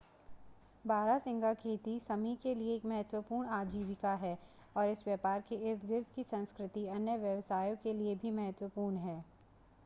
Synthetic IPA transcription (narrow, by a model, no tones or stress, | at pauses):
baːɾasɪ̃ŋɡakʰeːt̪isɐmikelieːkmɐɦət̪wəpuːɾɳaːd͡ʒiːʋɪkaɦɛː | ɔːɾɪsʋjəːpaːɾkeɪɾt̪ʰɡɪɾd̪ʰʱkisɐ̃nskɾɪt̪iɐnjəʋjɐʋsaːjõkeliebʱimɐɦət̪wəpuːɾɳɦɛː